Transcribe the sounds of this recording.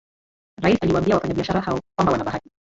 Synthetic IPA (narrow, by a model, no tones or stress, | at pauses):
ɾaisaliwaːmbiawafaɲaɓiaʃaɾahaɔkwambawanaɓaati̥